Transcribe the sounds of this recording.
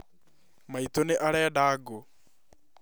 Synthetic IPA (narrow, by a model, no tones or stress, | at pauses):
mait̪oneʔaɾaadaːɡo